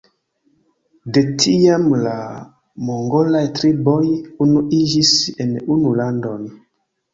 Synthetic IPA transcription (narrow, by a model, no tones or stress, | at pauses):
detʰiamla | moŋɡolajtɾibojunuʔid͡ʒisenunulandon